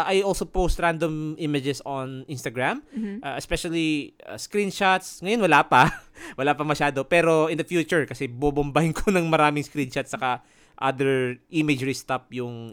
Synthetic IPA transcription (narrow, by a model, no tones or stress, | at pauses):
ʔajʔolsopowst̪ɹãnd̪omʔimɐd͡ʒɛsonʔĩnst̪ɐɡɹamʔaɛspɛʃɐlia̰skɾinʃat̪sŋɐjonwɐlapɐwɐlaːpɐmɐʃaːd̪opɛːɾo̞ʔɪnd̪ɐfjuːt͡ʃʊɹkɐsɛbobʊmbahɪŋkʰonɐŋmɐɾaːmɪŋskɾinʃɐt̪̚sɐka | ʔa̰d̪ɛɹʔimɛd͡ʒɹist̪ap̚jʊŋ